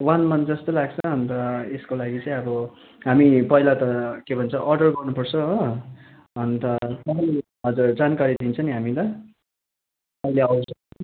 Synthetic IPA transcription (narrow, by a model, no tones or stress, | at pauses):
wanmʌnd͡zʌst̪olaɡt͡sʰʌʌnt̪ʌeskolaɡit͡sʌĩʌbʌ | ɦamipʌilat̪ʌkebʱʌnt͡sʰʌʔʌrɖʌrɡʌrnupʌrt͡sʰʌ | ʌnt̪ʌt̪ʌɦ | ɦʌd͡zurd͡zankaɾid̪int͡sʰʌniɦamit̪ʌ | ʌjleʌwsʰʌ